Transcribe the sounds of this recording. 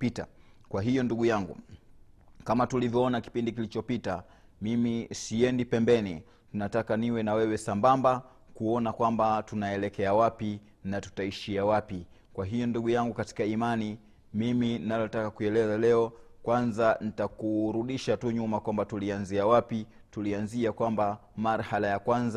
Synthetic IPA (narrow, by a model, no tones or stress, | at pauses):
pita̰ | kwaɦijɔnduɠujaŋɡṵ | kamatulivjɔɔnaki̥pindikilit͡ʃɔpita | mimisiɛndipɛmbɛni | tunatakaniwɛnawɛwɛsambamba | kuɔnakwambatunaɛlɛkɛawapi | natu̥taiʃiawapi | kwaɦijɔnduɠujaŋɡukati̥kaimani | miminalɔtakakuɛlɛzalɛɔkwanzanitakuɾuɗiʃatuɲumakwambatulianziawapi | tulianziakwambamaɾhalajakwanza